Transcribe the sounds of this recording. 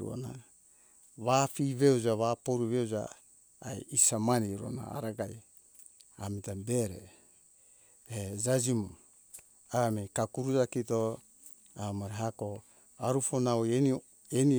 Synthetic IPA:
ṵo̰na | βafiβeud͡ʒaβapoɾuβewd͡ʒa̰ː | jisamaniɾo̰na̰a̰ɾaɡaj | amitabe̞ɾḛ | ed͡ʒad͡ʒimu | amekakuɾud͡ʒakito | amaɾeɦako | aɾufonawj | eni

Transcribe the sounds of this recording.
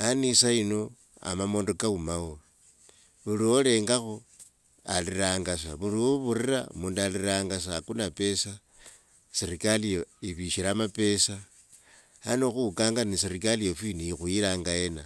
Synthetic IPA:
anisaino̞ | a̰mamoːndokaumawo | βuliwole̞ːŋɡaxo | aliraːŋɡas̬aβuɾioβuriɾaṵmuːndaliɾaːŋɡas̬aːkunape̞sa | siɾikalijoiβiʃiɾamape̞sa | anoxukaːŋɡanisiɾikaliofiniixuiɾaːŋɡaje̞na

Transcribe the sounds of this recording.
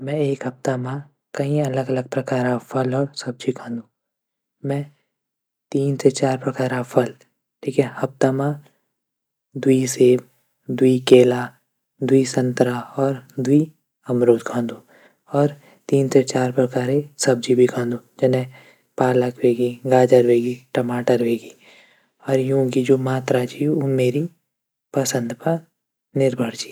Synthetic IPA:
mɛ̃eːkɦɐp̚t̪amã | kɐĩɐləɡɐləɡ̚pɾɐkaːɾapʰɐlɔːɾsɐb̚d͡ʒikʰãːnd̪ũː | mɛ̃ | t̪iːnset͡ʃaːɾpɾɐkaːɾapʰɐl | ʈʰiːkʰɛhɐp̚t̪amã | d̪ʊiseːb | d̪uikeːla | d̪uisɐ̃nt̪ɾaɔːɾd̪ʊi | ɐmɾoːd̪kʰãːnd̪u | ɔːɾ | t̪iːnset͡ʃaːɾpɾɐkaːɾesɐb̚d͡ʒibʱikʰãːnd̪ud͡ʒɐnẽ | paːləkʰʋeːɡiɡaːd͡ʒəɾʋeːɡiʈɐmaːʈəɾʋeːɡi | ɔːɾjũkid͡ʒoːmaːt̪ɾat͡ʃiumeːɾi | pɐsə̃nd̪pəɾ | nɪɾbʱəɽd͡ʒi̥ː

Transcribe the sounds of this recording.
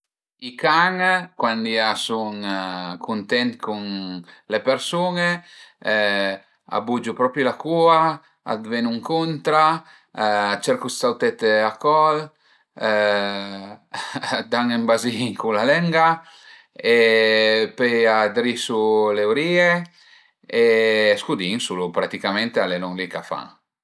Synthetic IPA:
ikaŋkwand̪iasuŋkʰunt̪ɛnt̪kunlepeɾsuŋe | a̰bud͡ʒupɾɔpɾulakua | a̰d̪venuŋkunt̪ɾa | at͡ʃɛɾkusawt̪ɛt̪eakɔl | d̪aŋembaziŋkulalɛŋɡa | e | pejad̪ɾisulewɾiːe | eskud̪iŋsulupɾat̪ikamɛnt̪ealenɔŋlikafa̰ŋ

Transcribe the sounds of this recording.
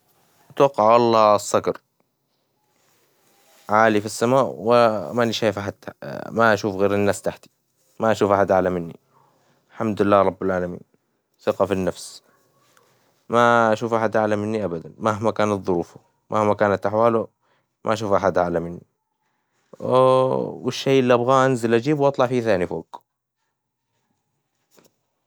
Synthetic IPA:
ɪt̪wɑqːɑʕwɑlˤːɑːsˤːɑɡɑɾˤ | ʕaːlifisːamaːʔwɪmanɪʃaːjfʔaħad̪maʔaʃuːfɣeːɾɪnːaːst̪aħt̪i̥ | maʔaʃuːfʔaħad̪ʔaʕlamɪnːḭ | lħamd̪ʊɪlːaːɾˤɑbːɪlʕaːlamḭːn | θɪqɑfinːafs | maaʃuːfʔaħad̪ʔaʕlamɪnːiʔabad̪anmaɦmakaːnat̪ðˤʊɾuːfu | mʔahmakaːnat̪ʔaħwaːlʊ | mʔa̰ʔaʃ̬uːfʔaħad̪ʔaʕlamɪnːi | wɪʃːejʔɪlːiʔabɣaːʔanzɪlʔad͡ʒiːbwʔɑt̪ˤlɑʕfiːθaːnifoːk

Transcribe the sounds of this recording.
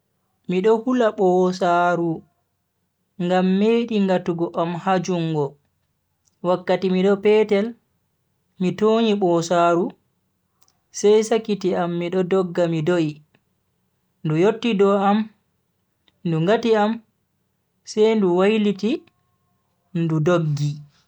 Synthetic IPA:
miɗɔhulaɓɔsaɾu | ŋɡamːeɗiŋɡatuɡɔʔamhad͡ʒuŋɡɔ | wakːatimiɗɔpɛːtɛl | mitoɲiɓɔsaɾu | sɛjsakitiamːiɗɔdɔɡːamidoji | ndujotːidɔam | nduŋɡatiam | sɛjnduwajliti | ndudoɡːi

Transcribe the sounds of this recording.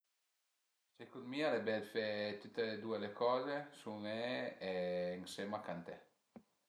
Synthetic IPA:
sekunmialebɛlfet̪ut̪ːeled̪uelekɔːzesumeɛːŋsemakant̪ɛ

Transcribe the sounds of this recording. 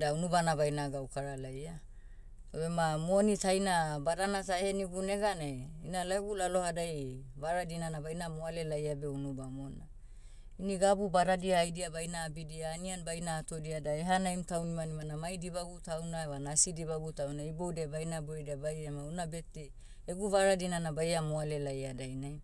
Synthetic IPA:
daunubanaβajnaɡawkaɾalaja | obemamonitajnabaɾanataeheniɡuneɡaneinalaeɡulalo̞hadajβaɾadinanabajnamoale̞lajabeunubamona | iniɡabubaɾadiaːjdiabajnaːbidiaːnianbajnaːto̞diadaeɦanajmtawnimanimanamajdibaɡutawnaewanasidiβaɡutawnaibowdebajnabuɾedabajamaunabete | eɡuvaɾadinanabajamoale̞lajadajnaj

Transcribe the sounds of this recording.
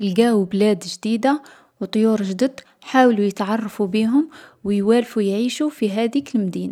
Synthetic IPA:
ʔɪlɡaːwblæːd̪ʒd̪iːd̪a | wt̪ˤːojuːɾʒd̪əd̪ | ħaːwlujət̪ʕɑrˤːɑfubiːɦʊmwjwæːlfujʕiːʃufiɦæːd̪iːklmd̪iːna

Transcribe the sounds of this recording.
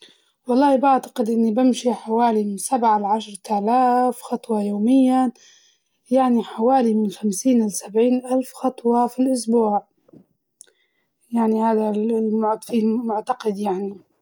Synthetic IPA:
wɑlˤːɑːhbaʕt̪ḁqɪd̪ʔɪnːibɪmʃiħawaːlimɪnsabʕalʕaʃɾˤt̪aːlaːfxɑt̪ˤwɑjoːmɪjːa | jaʕniħawaːlimɪnxamsiːnʔɪlsabʕiːnʔalfxɑt̪ˤwɑfilʔʊsbuːʕ | jaʕnihaːðamʊʕfimʊʕt̪aqɪd̪jaʕni

